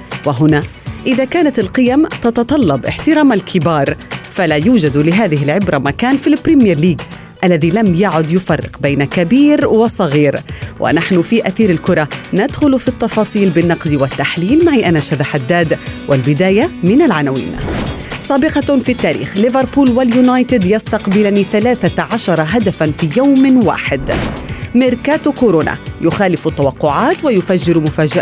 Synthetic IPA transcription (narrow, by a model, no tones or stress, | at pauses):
waɦʊnaʔɪðakaːnat̪ɪlqɨjamt̪ɑt̪ɑt̪ˤɑlːɑbʔɪ̰ħt̪ɪɾˤɑːmalkʰɪbɑːɾˤfalajuːd͡ʒad̪lɪɦaːðɪɦɪlʕɪbɾamakaːnfilpːɾimjaɾliːɡ | ʔalːaðilamjaʕʊd̪jʊfɑrˤːɪ̰qbajnakabiːɾwɑsˤɑɣiːɾwʔa̰naħnʊfiʔaθiːɾɪlkʊɾˤɑnad̪xʊlfit̪ːɑfɑːsˤiːlbɪnːɑqd̪wat̪ːaħliːlmaʕiʔanaʃaðaħad̪ːaːd̪wɪlbɪd̪aːjamɪnalʕanawḭːn | sˤɑːbɪqɑfit̪ːaːɾḭːxlɪvɑɾˤpuːlwɪljʊnajt̪ɪd̪jɑst̪ɑqbɪlniːθalaːθaʕaʃɑɾˤɑɦad̪afanfiːjawmwa̰ːħɪd̪mɪɾkaːt̪kʊɾoːna̰jʊxaːlɪfʊt̪ːawɑqːʊʕaːt̪wajʊfad͡ʒːɪɾmʊfaːd͡ʒaʔ